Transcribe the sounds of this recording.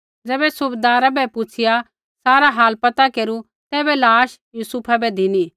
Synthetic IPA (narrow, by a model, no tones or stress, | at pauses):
d͡zɛːbɛsʊbd̪aːɾabɛpʊt͡ʃʰɪja | saːɾaɦaːlpɐt̪akeːɾu | t̪ɛːbɛlaːʃjuːsupʰabɛd̪ʱɪni